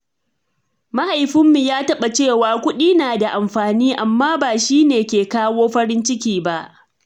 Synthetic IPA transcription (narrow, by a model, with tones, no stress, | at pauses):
ma˦ha˨jɸɪ˦mːi˨jaː˦tɐ˦ɓa˨t͡ʃeː˦˨waː˨kʷʊ˦ɗiː˦naː˨da˨ʔa˨mɸaː˨niː˦ʔa˨mːaː˦baː˨ʃiː˦neː˨kʲeː˨kaː˦woː˦ɸɐ˦ɾɪ˦nt͡ʃɪ˦kʲiː˦ba˦˨ʔ